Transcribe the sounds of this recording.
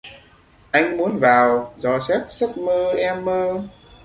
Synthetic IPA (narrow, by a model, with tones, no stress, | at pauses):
ʔa˧jŋ̟mu˨˦ənvaː˨˩wzɔ˧sɛ˦˥p̚sə˦˥k̚məː˧ʔɛ˧mːəː˧